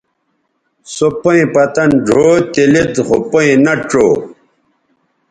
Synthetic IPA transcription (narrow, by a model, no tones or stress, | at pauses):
sopoĩpɐt̪ɐnɖʱot̪ilid̪χopoĩnɐʈ͡ʂoː